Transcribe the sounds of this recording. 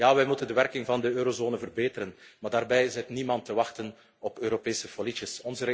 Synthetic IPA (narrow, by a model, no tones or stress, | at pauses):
jaːʋɛjmutəndəʋɛrkɪŋvɑndəøːɾozoːnəvərbeːtəɾənmaːrdaːrbɛjɪzɛtnimɑntːəʋɑxtən | ɔpøːɾopeːsəfolitəsɔnzəɾ